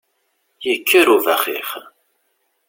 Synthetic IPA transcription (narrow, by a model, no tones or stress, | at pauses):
jəkʰːəɾuvæχḭχ